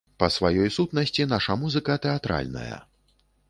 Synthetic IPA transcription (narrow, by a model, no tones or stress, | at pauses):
pɐsvajɔjsut̪nɐsʲt͡sʲinaʂɐmuzɨkɐt̪ɛat̪ɾa̰lʲnɐ̰jɐ̰